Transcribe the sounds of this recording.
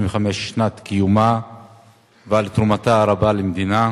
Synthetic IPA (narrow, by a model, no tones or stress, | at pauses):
mveχameʃːnat̪kijuma | vealt̪ɾumat̪aːɾabalemd̪ina